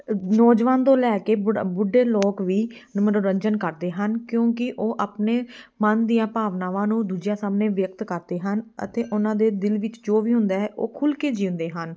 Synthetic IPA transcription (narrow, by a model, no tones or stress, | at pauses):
nɔːd͡ʒʋaːnt̪õːlɛːkeːbbʊɖeːloːkʋiːnməɾoɾəɲd͡ʒənkəɾd̪eːɦənkjõːkɪʔoːʔaːpneːmənd̪ijãːpaːʋnaːʋãːnũːd̪uːd͡ʒjãːsaːmneːʋjək̚t̪kəɾd̪eːɦənə̰t̪eːʔʊnãːd̪eːd̪ɪlʋɪt͡ʃd͡ʒoːʋiːɦʊ̃nd̪aːɛːʔoːkʰʊlkeːd͡ʒĩːnd̪eːɦən